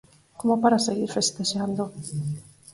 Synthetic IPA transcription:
komopaɾaseɣiɾfest̪eʝand̪o

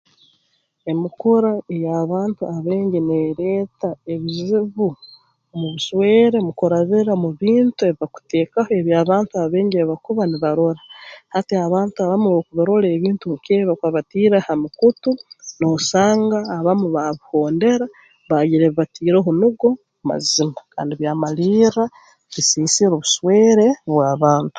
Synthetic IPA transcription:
e̞mikuɾaejaβaːntuaβeːɲɟineɾe̞ːtaeβiziβu | muβuʃweːɾemukoɾaβiɾamuβiːntue̞βiβaku̥te̞ːkahoe̞βjaːβaːntuaβeːɲɟeβakuβaniβaɾoɾahateaβaːntuaβamuokuβaɾo̞ɾe̞ːβiːntuŋukeβakaβatiːɾahamukutunosaːŋɡaːβamuβaβuho̞ːnde̞ɾa | βajiɾeβiβatʰiːɾoɦunuɡo̞muma̰zimaka̰ːndiβjaːmaliːɾa | βisiːsiɾoβuʃweːɾe̞βwaːβaːntu̥

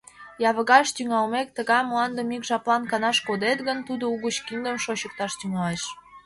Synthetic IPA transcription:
jɑβə̆ɣɑʃt̪yŋɑlmek̚t̪əɣɑjmlɑnd̪əmikʒɑplɑnkɑnɑʃkod̪et̪ɣənt̪ud̪ouɣət͡ɕkind̪əmʃoɕə̆k̚t̪ɑʃt̪yŋɑleʃ

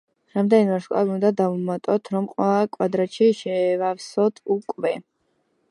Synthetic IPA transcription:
ɾamd̪ɛninmɛɾʃkʼa̰biund̪ad̪aumat̪ʼɔt̪ʰɾɔmqʼwɛlˠakʼwad̪ɾaʃiʃɛːvafsɔt̪ʰukʼvɛ

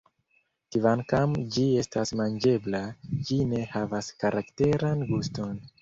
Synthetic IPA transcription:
kivankamd͡ʒie̞stasmand͡ʒe̞blad͡ʒine̞havaskaɾakte̞ɾanɡusto̞n

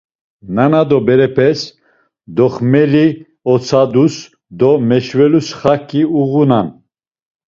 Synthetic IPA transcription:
nanad̪ɔbɛɾɛpʰɛs | d̪ɔχmɛli | ɔt͡sʰad̪us | d̪ɔmɛʃvɛlusχakʼiuɣunan

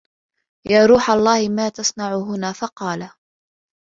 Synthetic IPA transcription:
jaːɾuːħalˤːɑːhɪmaːt̪asˤnaʕʊɦʊnaːfɑqɑːla

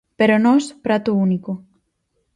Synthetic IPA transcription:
peɾonɔspɾat̪ouniko

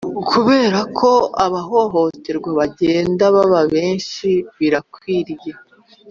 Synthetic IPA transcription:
kʰuβe̞ːɾakʰo̞aβaɦo̞ɦo̞teɾɡwaβaɟe̞ːndaβaβaβe̞ːnʃiβiɾakwiːɾje

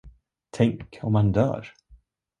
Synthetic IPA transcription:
t̪ʰɛŋkʰɔmhand̪œ̰ːɾ

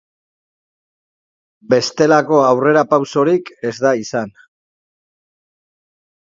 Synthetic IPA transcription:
be̞st̪e̞lako̞awre̞ɾapawso̞ɾike̞zd̪aisan

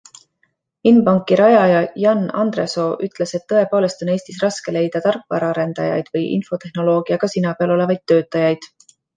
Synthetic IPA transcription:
inpɑŋkːˑiɾɑjɑjɑjɑnɑ̰nd̪reso̞ʔyt̪ˑle̞se̞t̪ːɤ̞e̞po̞ːle̞st̪o̞ne̞ːst̪isrɑske̞le̞jd̪̥ɑt̪ɑrkˑvɑ̰ɾɑɑɾe̞nd̪̥ɑjɑ̰jd̪̥vɤjʔḭnfo̞t̪e̞hno̞lo̞ːɡ̥iɑɡ̥ɑsinɑpeɑlo̞le̞vɑjd̪̥ːø̞ːt̪ːˑɑjɑjd̪̥

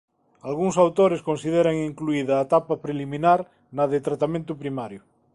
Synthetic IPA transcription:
alɣuŋsawt̪oɾeskonsið̞eɾaŋiŋkluiðaːt̪apapɾelimĩnaɾ | naðet̪ɾat̪amẽnt̪upɾimaɾjʊ

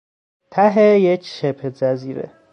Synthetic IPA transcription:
t̪ʰæɦejecʰʃepʰezæziːɾḛ

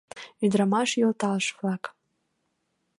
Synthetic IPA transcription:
yd̪ɾamɑʃjolt̪ɑlʃvlɑk

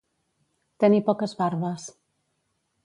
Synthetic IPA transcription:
t̪enipɔkəzβaɾβəs

